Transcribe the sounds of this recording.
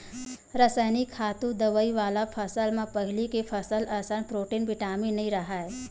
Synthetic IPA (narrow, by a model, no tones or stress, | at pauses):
ɾəsəːnikʰaːt̪ũd̪ɐʋəiʋaːlapʰəsəlmẽpɐɦɪlikepʰəsəlɐsənpɾoːʈiːnbɪʈaːminɐɦĩɾɐɦaɦɛ